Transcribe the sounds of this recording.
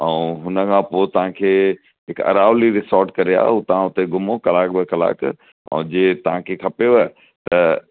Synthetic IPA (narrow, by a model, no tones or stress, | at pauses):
ɛ̃ːɦʊnəkʰãpoːt̪ɐʋ̤ãkʰeː | ɦɪkɐ̰ɾaːʋliɾɪsɔːɾʈkɐɾia̰ːʊt̪ɐʋãʊt̪eɡʊmokɐlaːk̚bɪkɐla̰ːk | ɛ̰̃ːd͡ʑeːt̪ɐʋ̤ãkʰekʰɐpeʋə | t̪ɐ